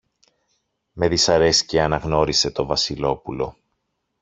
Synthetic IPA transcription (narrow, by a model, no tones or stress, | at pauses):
me̞ðisɐɾe̞sceɐnɐɣno̞ɾise̞t̪o̞vɐsilo̞pulo̞̰